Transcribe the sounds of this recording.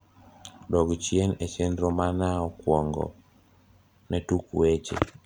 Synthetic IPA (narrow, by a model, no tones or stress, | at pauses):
dɔɡt͡ʃjenet͡ʃendɾɔmanaɔkwɔŋɡɔ̰ | nɛtukuwet͡ʃḛ